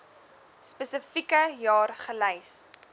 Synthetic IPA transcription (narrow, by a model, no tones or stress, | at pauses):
spəsəfikəjɑːrχəlɛjs